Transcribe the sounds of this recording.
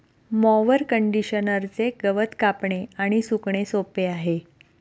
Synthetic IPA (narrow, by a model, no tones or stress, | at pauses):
mɔʋəɾkəɳɖiɕənəɾt͡seɡəʋət̪kapɳeaɽ̃isukɳesopeaɦe